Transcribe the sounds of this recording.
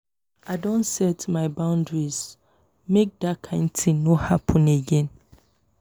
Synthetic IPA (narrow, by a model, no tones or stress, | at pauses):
adɔ̃ntsɛtmaɪbãʊ̃ndɹiz | mek̚dakʰãɪ̃ntʰĩŋnohapʰɔ̃neɡɛ̃n